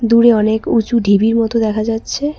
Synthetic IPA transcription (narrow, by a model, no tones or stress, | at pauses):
d̪uɾeɔnekut͡ɕuɖʱibiɾmɔt̪od̪ɛkʰad͡ʑatːɕʰe